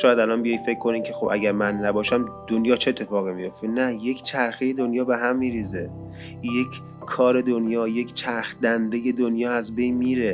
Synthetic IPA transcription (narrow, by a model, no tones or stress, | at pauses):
ʃɒːjæd̪ælɒnbijɒjfe̞cʰːkʰːo̞niːmcʰe̞xobʔæ̰ɡæɾmænːæbɒːʃæmd̪̥onjɒːt͡ʃʰeːt̪ʰːefɒːɣimijo̞ft̪enæje̞kʰt͡ʃʰæɾxeje̞d̪onjɒːbe̞ɦæmːiːɾiːze | je̞kʰ | kʰːɒːɾe̞d̪onjɒːje̞kʰʲt͡ʃʰæɾxd̪ænd̪e̞je̞d̪onjɒːæzbe̞jnmiːɾe